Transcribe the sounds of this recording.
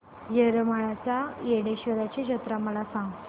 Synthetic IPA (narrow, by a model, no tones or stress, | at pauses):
jeɾəmaɭat͡sajeɽeɕʋəɾat͡ɕeɕət̪ɾaməlasãŋɡ̪